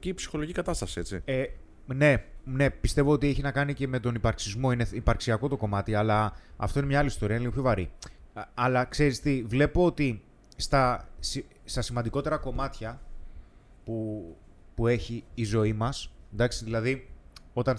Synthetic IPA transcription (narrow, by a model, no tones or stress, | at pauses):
ciipsi̥xo̞loicikɐt̪ɐst̪ɐsie̞t͡sie | ne̞ne̞pist̪e̞voot̪ie̞çinɐkɐnice̞me̞t̪o̞nipɐɾksizmo̞ineipɐɾksiɐko̞t̪o̞ko̞mɐt̪iɐlɐɐ̰ft̪o̞inemɲɐɐlist̪o̞iɐinliɣopço̞vɐɾi | ɐlɐkse̞ɾist̪ivle̞poot̪i | st̪ɐsi | st̪ɐsimɐnd̪iko̞t̪e̞ɾɐko̞mɐt̪çɐ | pu | pue̞çiːzo̞imɐsnd̪ɐkst̪iðilɐðio̞t̪ɐn